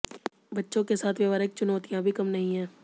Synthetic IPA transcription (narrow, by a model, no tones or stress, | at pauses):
bɐtːʃõkesaːt̪ʰʋjɐʋaːɾɪk̚t͡ʃʊnɔːt̪ijãbʱikɐmnɐɦĩɦɛ̃ː